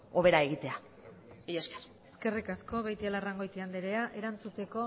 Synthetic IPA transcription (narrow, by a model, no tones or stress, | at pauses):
o̞βe̞ɾae̞ɣit̪e̞a | iesker | eske̞rikaskoβejt̪ialaraŋɡo̞jt̪iand̪eɾeaʔe̞ɾant͡sut̪e̞ko̞